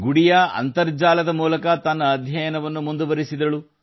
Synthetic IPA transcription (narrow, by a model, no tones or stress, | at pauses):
ɡuɽijɐɐ̰nt̪ɐɾd͡ʒaːlɐd̪ɐmuːlɐkɐt̪ɐnːɐːd̪ʱjɐjɐnɐʋɐnːumund̪uʋɐɾisid̪ɐɭu